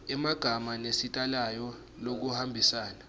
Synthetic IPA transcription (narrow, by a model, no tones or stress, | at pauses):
ɛmaɡ̥ʱamanesitʼalajɔ | lok̬uhambʱisaːna